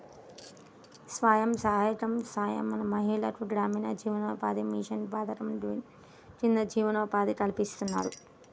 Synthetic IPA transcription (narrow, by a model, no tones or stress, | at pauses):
sʋaːjɐmsɐɦajɐʈ̪ɐmsaːjɐ̰mːɐnɐmɐɦiːlɐɾuɡɾaːminɐd͡ʒiːʋɐnɐpa̰ːd̪imiʂɐnbaːd̪ɐɾɐm | t͡ʃind̪ɐd͡ʒiːʋɐnɐpaːd̪ikɐɭipist̪unːa̰ːɾu